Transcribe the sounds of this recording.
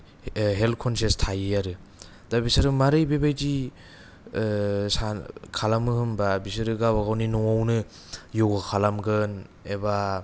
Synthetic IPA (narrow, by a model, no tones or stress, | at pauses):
ɦelt̚kʰɔnsestʰajɯjaɾɯ | d̥abisaɾɯmaɾɯjbebajd͡ʒi | sakʰalamɯhɯmbabisɯɾɯɡabaɡawninɔŋawnɯ | jowɡakʰalamɡɯn | eba